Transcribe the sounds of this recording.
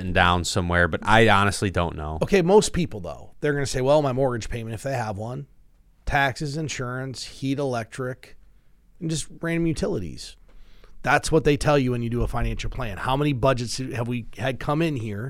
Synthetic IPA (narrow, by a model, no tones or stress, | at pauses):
n̩dã̰ʊ̃nsʌ̃mwɛɹbʌɾa̰ɪɑnɨstˡlidõ̰ʊ̃nːo̰ʊoʊkʰeɪmoʊspʰipl̩ˠðo̰ʊðə˞ɡʌnɨseɪwɛlˠmaɪmɔɹɡɨ̥ʒ̥pʰẽɪ̃mɨ̃ntɨfðeɪəvwʌ̃n | tʰæksɨzɨ̃nʃʊɹɨ̃nshiɾəlɛk̚tɹ̥ɪk | n̩d͡ʒʌst̚ɹæ̃nmjʉtʰɪlˠəɾḭz̥ | ðætswʌt̪̚ðeɪtʰɛlˠjɨwɨ̃njɨdɨəfãɪ̃ñæ̃nʃl̩ˠpʰl̥æ̃nhaʊmɛnibʌd͡ʒɨtsɨvwiɨd̚kʰʌ̃mɪ̃nhiɹ